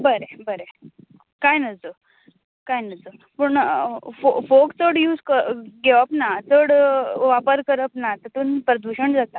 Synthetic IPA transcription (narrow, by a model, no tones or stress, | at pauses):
bəɾebəɾe | kajnəd͡zo | kajnəd͡zopəɳfofokt͡səɽjuːd͡zkəɡɛʋəpnat͡səɽʋapəɾkəɾəpnat̪ət̪uːnpɾəd̪uɕəɳd͡zat̪a